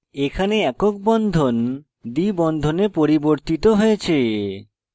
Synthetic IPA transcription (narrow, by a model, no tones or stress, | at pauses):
ekʰaneɛkok̚bɔnd̪ʱon | d̪ibɔnd̪ʱonepoɾiboɾt̪it̪oɦojet͡ɕʰe